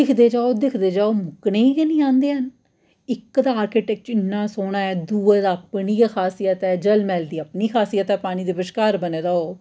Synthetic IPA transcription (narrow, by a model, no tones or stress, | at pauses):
ɪkʰd̪eːd͡ʒaːoːd̪ɪkʰd̪eːd͡ʒaːoːmʊkneːiːkenĩːãːnd̪eːɦən | ɪkd̪aːaːɾkeːʈɛːk̚t͡ʃɪnːãːsoːnaːɛːd̪uːad̪aːpniːkʰaːsijət̪ɛːd͡ʒəlmɛːld̪iːapniːkʰaːsijət̪ɛːpaːñiːd̪eːbəʃkaːɾbəneːd̪aːoː